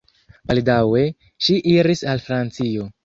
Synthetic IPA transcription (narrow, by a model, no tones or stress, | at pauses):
baldawe̞ | ʃiʔiɾisalfɾant͡sio̞